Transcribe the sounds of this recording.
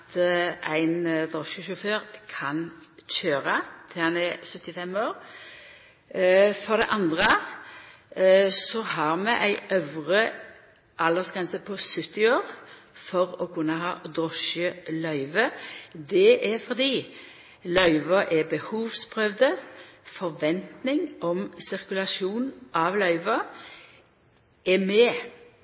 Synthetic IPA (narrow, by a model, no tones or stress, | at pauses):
t̪ʔæɪnd̪ʁɔʃəʃʊføːɾkʰɑnçøːɾət̪ʰɪlhɑnɛsœt̪ːɪfɛmoːɾ | fɔʁd̪ɛʔɑnd̪ʁə | sɔhɑɾmɛʔæɪʔœʋʁə | ʔɑld̪əsɡʁɛnsəpʰɔsʏt̪ːɪoːɾ | fɔʁɔkʰʉnːəɦɑ̰ːd̪ʁɔʃəlœʏʋəd̪ɛʔɛɾfɔʁd̪iː | lœʏʋəʔɛbəhuːʋspʰʁœʋd̪əfɔɾʋɛnt̪nɪŋʔɔmsɪʁkʉlɑʃuːnn̩ʔɑʋlœʏʋɑ | ɛmɛː